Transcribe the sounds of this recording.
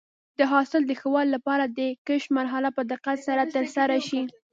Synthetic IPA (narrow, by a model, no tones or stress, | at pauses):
d̪̥əɦɑsɪld̪əxəwɑlːapɑɾad̪əkəʃmaɾɦalapəd̪ɪqat̪saɾat̪əɾsaɾaʃi